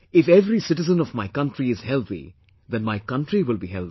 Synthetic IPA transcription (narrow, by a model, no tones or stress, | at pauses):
ɪfɛvɾisɪʈɪzə̃nɔvmaɪkʌ̃nʈɾiɪz̥hɛlˠt̪ḭ | d̪ɛ̃nmaɪkʌ̃nʈɾiwɪlˠbiɦɛ̰lˠt̪i